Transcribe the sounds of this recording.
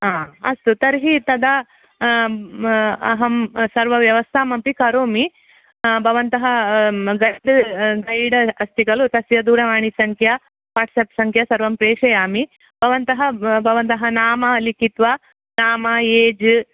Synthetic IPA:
ɦaːɐ̰st̪ut̪ɐɾɦit̪ɐd̪a | ɐɦɐmsɐɾʋɐʋjɐʋɐst̪ʰaːmɐmpikɐɾoːmi | bʱɐʋɐnt̪ɐɦɐɡɐjɖɡɐjɽɐɐst̪ʰikɐlut̪ɐsjɐd̪uːɾɐʋaːɳisɐŋkʰja | ʋaːʈʰseːpsɐŋkʰjɐsɐɾʋɐmpɾeːʂɐjaːmi | b̥ʱɐʋɐnt̪ɐɦɐbʱɐʋɐnt̪ɐɦɐnaːmɐlikit̪ʋɐ | naːmɐeːd͡ʒ

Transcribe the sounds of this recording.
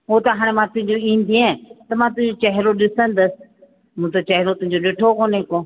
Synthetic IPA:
ʊɦot̪ɐɦaːɽ̃emãt̪ʊ̃ɦɪ̃ɲd͡ʑoĩːn̆d̪iẽt̪ɐmãːt̪ʊ̃ɦɪ̃ɲd͡ʑot͡ɕɐɦɪɾoɗɪsə̃nd̪əsɪ̥̆ | mũːt̪ɐt͡ɕɐɦɪɾot̪ʊɦɪ̃ɲ̆d͡ʑoɗeːʈʰokoːnɦekoː

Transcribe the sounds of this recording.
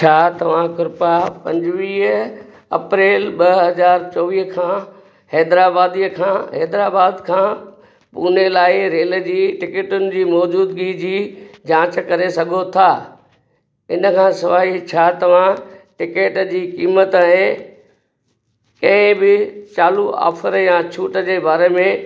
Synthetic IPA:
t͡ɕʰaːt̪ɐʋ̤ãkʊɾpapɐ̃ɲd͡ʑɪʋiːɦ | ɐ̰pɾeːlɓɐɦɐzaːɾt͡ɕɔːʋiːɦkʰãː | hɛːd̪ɾaːbaːd̪ijəkʰãːɦɛːd̪ɾaːbaːd̪kʰãː | puːnelaːɪɾeːləd͡ʑiːʈɪkeːʈʊnɪ̆d͡ʑiːmɔːd͡ʑuːd̪ɡid͡ʑiːd͡ʑãːt͡ɕkɐɾesɐɡʱot̪ʰaː | ɪnə̆kʰãːsɐʋaːɦit͡ɕʰaːt̪ɐʋ̤ãʈɪkeːʈd͡ʑiːkiːmət̪ːɦẽ | kɐ̃ɪ̃bɪt͡ɕaːlua̰ːfəɾjat͡ɕʰuːʈəd͡ʑeːbaːɾemẽ

